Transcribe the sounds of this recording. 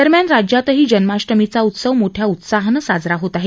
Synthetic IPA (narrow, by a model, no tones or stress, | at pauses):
əɾmjanɾad͡ʑjat̪əɦiːd͡ʑənmaɕʈəmit͡saut̪səʋmoʈʰjaut̪saɦnəsad͡zɾaɦot̪aɦe